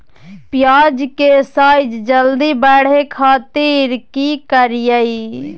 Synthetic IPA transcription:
pɪjaːd͡ʒkesaːɪd͡ʒd͡ʒəld̪ibɛːɽ̤ekʰaːt̪iɾkikəɾjəi

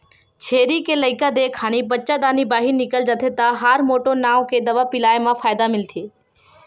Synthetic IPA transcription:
t͡ʃʰeːɾikeləɪkad̪ekʰaːɽ̃ibətːt͡ʃad̪aːnibaːɦinɪkəld͡ʒət̪ʰet̪aɦaːɾmoːʈonaːʋked̪ɐʋapɪlaːemãfʰaːjd̪amɪlt̪ʰeː

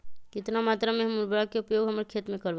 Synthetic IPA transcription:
kɪt̪namaːt̪ɾamẽɦɐmbəɾakeʊpjoːɡɦɐmɾekʰeːt̪mẽkɐɾʋ

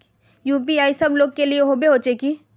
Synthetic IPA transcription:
juːp̬iaːisɐbloːɡ̚kelieɦobeɦoːt͡ʃeːki

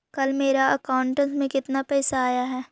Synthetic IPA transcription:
kɐlmeːɾaɐkaːʊɳʈə̃nsmẽkɪt̪napɛːsaaːjaɦɛː

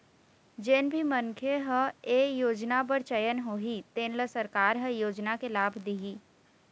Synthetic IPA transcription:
d͡ʒeːnbʱimənkʰeɦə̃eːjoːd͡ʒnabəɾt͡ʃɐjənɦoːɦit̪eːnləsɐɾkaːɾɦə̃joːd͡ʒnakelaːbʱd̪iɦiː

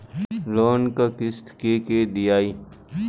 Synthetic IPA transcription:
loːnkakɪst̪keked̪ijaːi

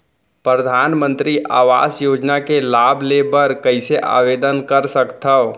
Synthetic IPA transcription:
pɾəd̪ʱaːnmə̃nt̪ɾiʔa̰ːʋa̰ːsjoːd͡ʒnakelaːbʱlebəɾkəɪseʔa̰ːʋeːd̪ənkəɾsəkt̪əo

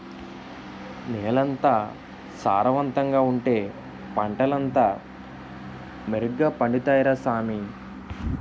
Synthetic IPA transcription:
neːlɐnt̪aː | saːɾɐʋɐnt̪ɐŋɡaːuɳʈe̞ː | pɐɳʈɐlɐnt̪aː | meɾuɡɡaːpɐɳɖit̪aːjɾaːsaːmi

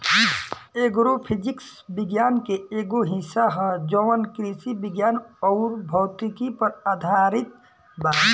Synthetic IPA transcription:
eːɡɾopʰɪd͡ʒɪks | bɪɡjaːnkeeːɡoɦisaɦə̃d͡ʒɔʋənkɾisibɪɡjaːnɔːɾbʱɔːt̪ikipəɾaːd̪ʱaːɾɪt̪̚ | bai

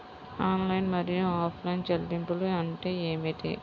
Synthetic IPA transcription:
aːnlɐjnmɐɾijuaːpʰlɐjnt͡ʃɐlɖ̪impuluɐɳʈe̞ːeːmit̪ḛː

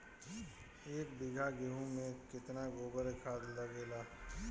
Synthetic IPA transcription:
eːk̚bɪɡʱaɡeɦũmẽkɪt̪naɡoːbəɾkʰaːd̪lɐɡeːlaː

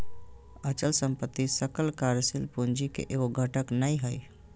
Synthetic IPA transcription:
ət͡ʃəlsəmpət̪ːisəkəlkaɾsilpund͡ʒikḛʔeoɡʱəʈəknəiɦəj

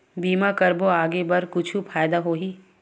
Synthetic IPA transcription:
biːmakɐɾboaːɡebɐɾkʊt͡ʃʰupʰaːjd̪aɦoːɦiː

